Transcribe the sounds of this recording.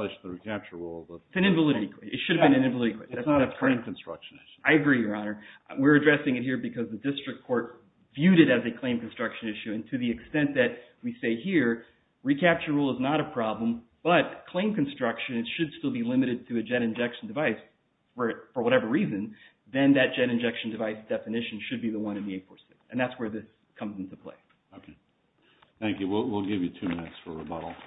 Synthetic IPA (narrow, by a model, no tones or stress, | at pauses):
ɨʃðəɹikʰæp̚t͡ʃə˞ɹṵlˠɨtsɨ̃nɪ̃ɱvəlɪɾɨɾikʰw̥eɪɨtʃʊɾɨvbɨ̃nɨ̃nɪ̃ɱvlɪɾɨɾikʰw̥ɛɪðæsəkʰl̥ẽɪ̃mkn̩stɹ̥ʌ̰kʃnɪʃaɪɨɡɹijə˞ɑnə˞wɪɹɨdɹɛsɪ̃ŋɨt̚ɦiɹbɨkʰʌzðɨdɪstɹ̥ɨk̚kʰɔɹt̚ | vjʉɾɨɾɨzɨkʰl̥ẽɪ̃mkn̩stɹ̥ʌkʃɨ̃nɪʃʉɨ̃ntʰɨðiɨkstɛ̃nðɨt̚ | wiseɪhiɹ | ɹikʰæp̚t͡ʃə˞ɹulˠəznəɾɨpʰɹ̥ɑblə̃m | b̥ʌt̚kʰl̥ẽɪ̃mkn̩stɹ̥ʌkʃɨ̃nɨtʃɨd̥stɪlˠbilɪ̃mɨɾɨd̚tʰɨɨd͡ʒɛɾɨ̃nd͡ʒɛkʃn̩dɨvaɪs | fə˞fə˞wʌɾɛvə˞ɹizɨ̃n | ðɨ̃nðɨt̚d̥ʒ̥ɛɾɨ̃nd͡ʒɛkʃn̩dɨvaɪsd̥ɛfɨnɪʃɨ̃n̩ʃɨd̚biðəwʌ̃ñɨ̃nðieɪtfɔ̰ɹsɪksɨ̃nðætswə˞ðɪs | kʰʌ̃mzɪ̃n̩tʰəpʰl̥ḛɪ | okʰe | θæ̃ŋkjʉwilˠwilˠɡɪvjɨtʰʉmɪ̃nɨtsfə̰˞ə̰bʌ̰ɾl̩ˠ